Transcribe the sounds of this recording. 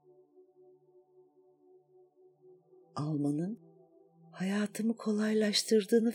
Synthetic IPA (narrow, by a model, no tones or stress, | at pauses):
alˠmanɯn | hajaːt̪ʰɯmɯkʰo̞lˠajlˠaʃt̪ʰɯɾd̪ɯːnɯf